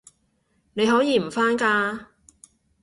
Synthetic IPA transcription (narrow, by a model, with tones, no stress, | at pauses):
ne˨˧jɦɔː˨˥jiː˨˧m̩˨˩faː˥nkaː˧